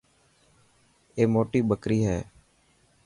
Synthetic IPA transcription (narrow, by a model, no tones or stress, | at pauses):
eːmoːʈiːbəkɾiːɦɛː